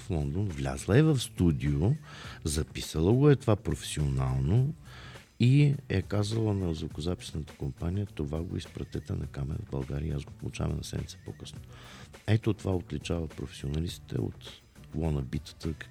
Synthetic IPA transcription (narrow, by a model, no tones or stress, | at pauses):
flˠɔnd̪onvlʲa̰zlˠəɛvɐfst̪ud̪ijozɐpisəlˠəɡʊɛt̪ovapɾofɛ̥sionalˠno | iɛkazəlˠənɐzvokʊzapi̥snət̪ə̥kompanijət̪ovaɡo̰ispɾɐt̪t̪ɛt̪ənɐkamɛɾɐ̰vbɐlˠɡaɾiəazɡopolˠut͡ʃa̰vɐ̰nɐ̰sɛ̰mnʲit̪ɛ̥pokɤsno | ɛt̪ot̪ovaot̪lit͡ʃavəpɾofɛ̥sionɐlist̪i̥t̪ɛ̰o̰t̪ | lˠɔnɐbit̪ə̥t̪ək